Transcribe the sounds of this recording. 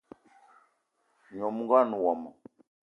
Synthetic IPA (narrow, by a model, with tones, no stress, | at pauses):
ɲɔ˨mu˦ɡa˦nu˨wɔ˨mɔ˨